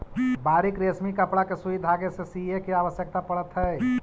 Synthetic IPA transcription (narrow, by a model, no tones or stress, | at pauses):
baːɾɪkɾesmikəpɽakesuid̪ʱaːɡesesiekiaːʋəsjək̚t̪apɐɽət̪ɦɛː